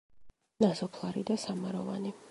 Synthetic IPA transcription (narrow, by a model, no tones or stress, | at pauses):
nazɔpʰlˠaɾid̪asamaɾɔvani